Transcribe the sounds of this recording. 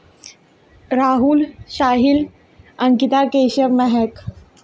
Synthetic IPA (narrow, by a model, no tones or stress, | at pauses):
ɾaːɦulɕaːɦil | ɐ̃ŋkit̪akeːɕəʋmɛɦɛk